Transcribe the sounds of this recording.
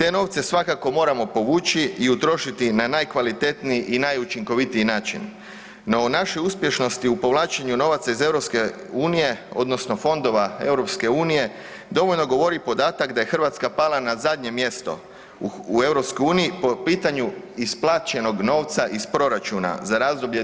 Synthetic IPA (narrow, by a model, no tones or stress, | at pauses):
t̪e̞no̞ːʋt̪se̞sʋakako̞mo̞ːɾamo̞po̞ʋuːt͡ʃiiut̪ɾo̞ʃit̪inanajkʋalit̪e̞t̪niiʔinajut͡ʃiŋko̞ʋit̪iinaːt͡ʃḭn | no̞naʃiuspje̞ʃno̞st̪iupo̞ʋlaːt͡ʃeɲuno̞ʋat̪saize̞ʋɾopske̞ | uːnije̞o̞̰d̪no̞sno̞fo̞nd̪o̞ʋae̞̰wɾo̞pske̞uːnije̞ | d̪o̞ʋo̞ʎno̞ɡo̞ʋo̞ɾipo̞d̪aːt̪akd̪aje̞xr̩ʋat̪skapalanazad̪ɲe̞mje̞st̪o̞̰ | ue̞wɾo̞pskojuːnijipopiːt̪aɲu | isplˠaːt͡ʃe̞no̞ɡno̞ːʋt̪saʔispɾo̞ɾat͡ʃuːna̰zaɾaːzd̪o̞bʎe